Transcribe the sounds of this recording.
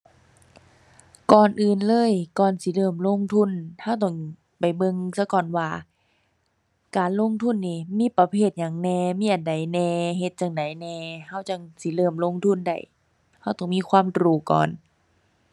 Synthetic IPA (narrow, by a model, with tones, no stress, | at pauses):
kɔː˨˩nʔɯː˨nlɤː˧˥˨jkɔː˨˩nsi˧˦lɤː˧˩mlo˧˥˨ŋt̪ʰu˧˥˨nha˧˥˨wt̪̬ɔ˧˩ŋ | pa˨˩jbɤ˧˨ŋsa˧˦kɔː˧˩nwaː˧˩ | kaː˨nlo˧˥˨ŋt̪ʰu˧˥˨nːiː˧˩miː˧˥˨pa˧˦pʰeː˧˩t̪̚ɲaː˨˩ŋnɛː˧˩miː˧˥ʔa˨nda˨˩˦jnɛː˧˩ɦe˧˦t̪̚t͡ɕa˧˩ŋda˨˩˦jnɛː˧ha˧˥˩wt͡ɕa˧˩ŋsi˧˦lɤː˧˩mlo˧˨ŋt̪ʰu˧˥˨nda̰˧˩j | ha˧˩wt̪ɔː˨˩ŋmiː˧˥˨kʰwaː˧˥˨mdɾuː˧˩kɔ̰ː˨˩n